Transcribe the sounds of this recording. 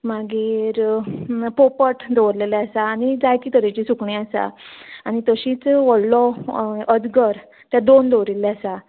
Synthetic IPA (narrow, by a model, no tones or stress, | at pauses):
maɡiːɾ | popəʈd̪ɔʋɾlelɛasaːñid͡zajkiːt̪əɾet͡ɕisukɳĩasa̰añit̪əɕiːt͡sʋəllɔəd͡zɡəɾ | t̪jad̪ond̪ɔʋɾilɛasa